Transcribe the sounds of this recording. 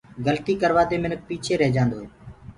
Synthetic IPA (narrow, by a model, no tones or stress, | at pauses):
ɡəlt̪iːkəɾʋaːd̪eːmɪnək̚piːt͡ʃʰeːɾəɦd͡ʒãːnd̪oːɦeː